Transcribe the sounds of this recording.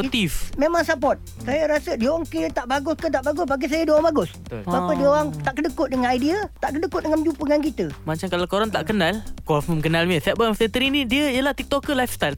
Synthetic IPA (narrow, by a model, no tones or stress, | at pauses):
ot̪ifmemaŋsapɔt̪̚ | sajəɾasədioŋket̪aʔbaɡʊskət̪aʔbaɡʊsbak̬is̬ajədioɣaŋbaɡʊs | bapədioɣaŋt̪aʔkədəkʊʔ̪̚dəŋanajdiat̪aʔkədəkʊt̪̚dəŋamd͡ʒupəŋankit̪əmat͡ʃamkalakoɾaŋt̪aʔkənalkɔfəmkənalmiəsɛbafsɛt̪əɾinidiəijəlaht̪ik̚t̪ɔkːəlajfst̪ajl